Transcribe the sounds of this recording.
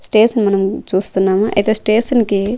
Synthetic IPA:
sʈeːʃɐnmɐnɐmt͡ʃuːst̪unːaːmuʔɐ̰jt̪eːsʈeːʃɐnki

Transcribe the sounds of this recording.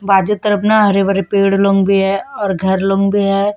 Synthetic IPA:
baːd͡ʒut̪əɾəpnaɦɐɾeʋəɾepeːɽlõŋɡbʱiɦɛɔːɾɡʱɐɾlõːŋɡbʱiɦɛː

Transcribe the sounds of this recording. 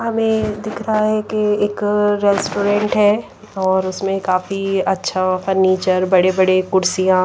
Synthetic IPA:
ɦɐmẽd̪ɪkʰɾɐɦaɦɛkeeːkɾɛːsʈoːɾɛ̃ːɳʈɦɛː | ɔːɾʊsmẽkaːfiɐtːʃʰafɐɾniːt͡ʃəɾbɐɽebɐɽekʊɾsijãː

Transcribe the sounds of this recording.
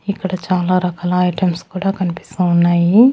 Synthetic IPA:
ikːɐɽɐt͡ʃaːlaːɾɐkaːlɐɐjʈemskuːɽaːkɐnipi̥st̪uunːaːji

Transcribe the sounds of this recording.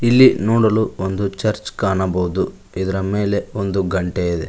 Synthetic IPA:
ilːinɔːɽɐluond̪ut͡ʃɐɾt͡ʃkaːɳɐbɐwud̪u | id̪ɐɾɐmeːle̞ond̪uɡɐɳʈejid̪ḛ

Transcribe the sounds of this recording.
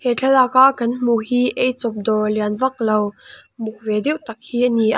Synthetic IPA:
hɛt͡ɬʰɛlʔakaʔkɐnm̥uhiːʔejt͡sɔp̚d̪ɔlianvɐk̚lowmuk̚vɛdiʔt̪ɐk̚hiːʔəniʔa

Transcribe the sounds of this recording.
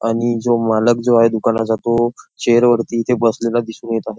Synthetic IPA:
aɽ̃id͡zomaləkd͡zoaɦed̪ukanad͡zat̪ot͡ɕeɾʋəɾt̪iːt̪ʰebəslelad̪isuːnjet̪aɦe

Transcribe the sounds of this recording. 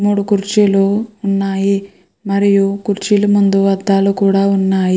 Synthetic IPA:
muːɽukuɾt͡ʃiluunːaːji | mɐɾijukuɾt͡ʃilumund̪uʋɐd̪ʱːaːlukuːɽaːunːaːji

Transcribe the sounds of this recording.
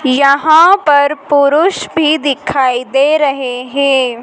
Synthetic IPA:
jɐɦãpɐɾpʊɾʊʃbʱid̪ɪkʰaːid̪eːɾɐɦeɦɛ̃ː

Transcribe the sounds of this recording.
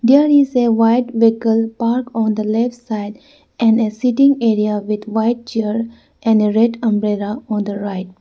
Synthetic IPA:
d̪eəɾizeʋaɪʈʋɛkəlpaːɾkɔ̃nd̪əlɛfʈsaɪɖ | ʔɛ̃nɖesiʈɪ̃ŋeːɾiaʋɪd̪ʋaɪʈ̚t͡ʃeɾ | ʔɛ̃nɖeɾɛɖə̃mbɾelaɔ̃ːnd̪əɾaɪʈ̚

